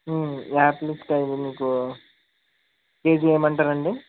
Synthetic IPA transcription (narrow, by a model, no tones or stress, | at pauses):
aːplisʈɐjd̪iniːku | ke̞ːd͡ʒie̞ːmɐɳʈaːɾɐɳɖi